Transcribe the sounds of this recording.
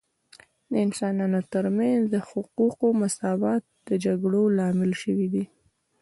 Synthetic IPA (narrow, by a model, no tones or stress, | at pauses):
d̪əɪnsɑnɑnot̪əɾmanzd̪əhʊquqomasɑbɑt̪̚d̪̥əd͡ʒaɡɽolɑmɪlʃəwid̪i